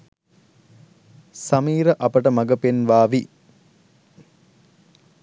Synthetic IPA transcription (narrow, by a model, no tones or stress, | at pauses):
sɐmiːɾəʔɐpəʈəmɐɡəpenʋaːʋi